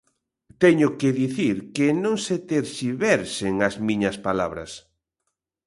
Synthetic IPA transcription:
t̪ɛɲʊkeðiθiɾkenõŋset̪eɾsiβɛɾseŋɐzmĩɲɐspalaβɾɐ̰s

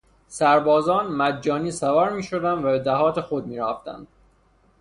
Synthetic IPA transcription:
sæɾbɒːzɒːnmæd̪d͡ʒɒːniːsævɒɾmiːʃod̪ænd̪væbed̪æɦɒːt̪ʰexod̪̚miːɾæft̪æ̰nd̪̥̚

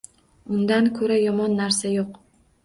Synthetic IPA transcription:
ʊnd̪ankʰɵɾajɒmɒnːaɾsajoq

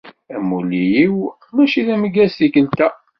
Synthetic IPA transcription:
æmulijiw | mæʃiðæməɡæsθikəlt̪æ

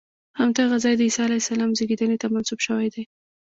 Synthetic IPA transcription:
hamd̪ɑɣazɑjd̪əisɑalajsalɑmzeɡid̪ənet̪amansubʃəwajd̪aj

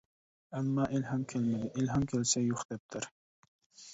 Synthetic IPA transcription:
ænːɑːʔelɦɛmkʲʰɛlmɪd̪ɪʔelɦɑmkʲʰelsɛjoχd̪̥ɛp̚t̪ʰɪɾ

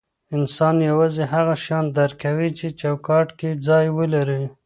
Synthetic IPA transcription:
ɪnsɑnjawɑzeɦaɣaʃɑnd̪aɾkawit͡ʃet͡ʃɑwkɑʈked͡zɑjwəlaɾi

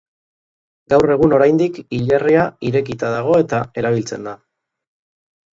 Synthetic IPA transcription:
ɡawre̞ɣuno̞ɾajnd̪ikiʎariaiɾe̞kit̪aðaɣ̞o̞e̞t̪ae̞ɾaβ̞ilt͡se̞̰nd̪a

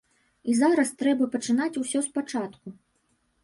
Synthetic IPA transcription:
izaɾɐst̪ɾɛbɐpɐt͡ʂɨn̪at͡sʲusʲɔspat͡ʂat̪ku

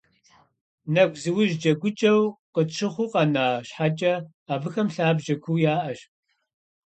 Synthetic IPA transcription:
nɐɡʷzɨwʊʒd͡ʒɐɡʷʊt͡ʃʼɐwqəʈ͡ʂʰɨχʷʊqɐnaːɕħat͡ʃʼɐ | aːvɨxɐmɬaːbʒɐkʷʰuːjaːʔɐɕ

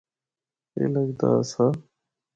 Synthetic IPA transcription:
ḛːləɡd̪a̰ːsaː

